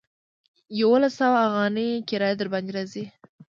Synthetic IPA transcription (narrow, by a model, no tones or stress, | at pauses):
jawolasawaːɣɑnikɪɾɑjd̪əɾbɑnd̪ɪɾazi